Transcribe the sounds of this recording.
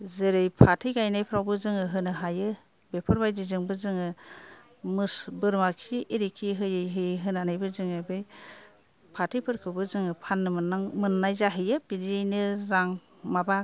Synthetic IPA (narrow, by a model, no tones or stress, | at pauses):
zɯɾɯjpʰatʰɯjɡajnajpʰɾawbɯzɯŋɯɦɯnɯɦajɯ | bepʰɔɾbajdizɯŋbɯzɯŋɯ | mɯsbɯɾmakʰiiɾikʰiɦɯjɯjɦɯjɦɯnanɯjbɯzɯŋɯbej | pʰatʰɯjpʰɯɾkʰɯbɯzɯŋɯpʰanːɯmɯnːajzaɦɯjɯbidnɯɾaŋ | maba